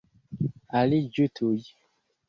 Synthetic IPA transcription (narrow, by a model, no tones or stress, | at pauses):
alid͡ʒutʰoji